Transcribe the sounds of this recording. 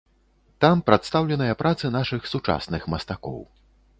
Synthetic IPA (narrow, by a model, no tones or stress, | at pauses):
t̪ampɾat̪st̪awlʲɛnɐjɐpɾʔat̪sɨnaʂɨxsut͡ʂa̰snɨxmɐst̪akɔ̰w